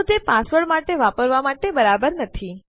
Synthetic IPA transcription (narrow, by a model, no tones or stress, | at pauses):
t̪epãsʋəɭmaʈeʋapəɾʋamaʈebəɾabəɾnət̪ʰi